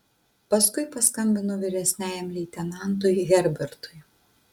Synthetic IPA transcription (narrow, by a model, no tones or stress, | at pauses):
pɐskʊɪpɐskɐmʲbʲɪnʊʋʲɪɾʲɛsʲnʲæːjɛmlʲɛːt̪ʲɛnɑˑnˑt̪̬ʊɪɣʲɛɾʲbʲɛɾt̪ʊɪ